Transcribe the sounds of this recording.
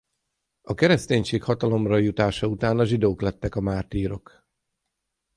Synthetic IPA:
ɒkɛɾɛst̪eːɲʃeːkhɒt̪ɒlo̞mrɒjut̪aːʃɒut̪aːnɒʒid̪oːklɛt̪ːɛkɒmaːt̪iːɾo̞k

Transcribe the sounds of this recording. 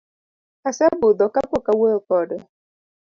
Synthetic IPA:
asabʊd̪ɔkakʊkawekɔdʊ

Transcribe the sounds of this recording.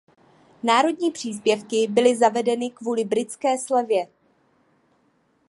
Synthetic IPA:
naːɾo̞dɲiːpr̝̥iːs̬pjɛfkɪbɪlɪzavɛdɛnɪkvuːlɪbɾɪt͡skɛːslɛvjɛ

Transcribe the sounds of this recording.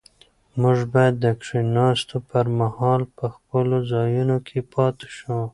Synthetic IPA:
mʊʒbɑjad̪ːəkʂinɑst̪opəɾmahɑlpəxpəlozɑjunokʰepʰɑt̪e̥ʃu

